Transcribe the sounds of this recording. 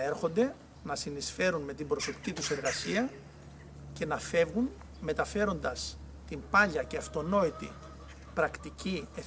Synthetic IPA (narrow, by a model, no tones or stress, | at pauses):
eɾxo̞nd̪e̞ | nɐsinisfe̞ɾunme̞t̪imbɾo̞so̞pi̥cit̪use̞ɾɣɐsiɐ | ce̞nɐfe̞vɣun | me̞t̪ɐfe̞ɾo̞nd̪ɐs | t̪impɐʎɐceɐft̪o̞no̞it̪ḭ | pɾɐkt̪icie